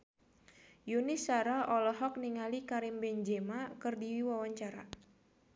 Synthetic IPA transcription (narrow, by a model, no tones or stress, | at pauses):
junɪsaɾaʔɔlɔɦɔk̚niŋalikaɾimbɛɲd͡ʒemakɨrdiwiwawaɲt͡ʃaɾa̰